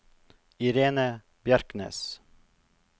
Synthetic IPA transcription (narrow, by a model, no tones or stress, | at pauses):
iɾeːnə | b̥jaɾknḛːs